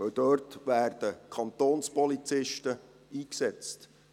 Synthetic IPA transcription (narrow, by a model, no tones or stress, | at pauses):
œwd̥̪øːrtʋæːrd̥əkʰɑnt̪oːnspɔlit͡sɪʃtə | iːksɛt͡st